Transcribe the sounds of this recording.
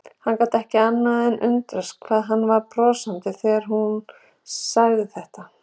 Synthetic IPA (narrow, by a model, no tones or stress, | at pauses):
hankawt̪ɛhcɪanːaðɛnʔʏ̰nt̪ɾʏskʰvaːðɦanːvaɾpɾɔːsant̪ɪθɛːɣaɾ̥ɦun | saɣðɪθɛht̪a